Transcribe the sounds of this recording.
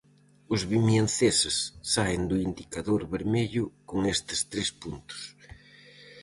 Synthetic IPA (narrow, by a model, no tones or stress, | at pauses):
ʊzβimjanθesɪsːaend̪ʊind̪ikaðoɾβeɾmeʎʊkoŋest̪ɪ̥st̪ɾespunt̪ʊ̥s